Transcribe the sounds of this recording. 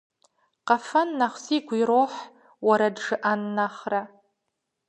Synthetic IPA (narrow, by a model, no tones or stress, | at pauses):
qafanːaχʷsikʷiɾoħ | waɾadʐɨʔanːaχra